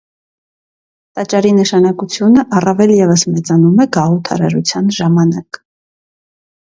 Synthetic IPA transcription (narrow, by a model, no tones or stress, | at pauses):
t̪ɑt͡ʃɑɾinəʃɑnɑkut͡sʰjunəʔɑrɑvɛljɛvəsmɛt͡sɑnumɛɡɑut̪ʰɑ̰ɾɑ̰ɾut͡sʰjɑnʒɑmɑnɑk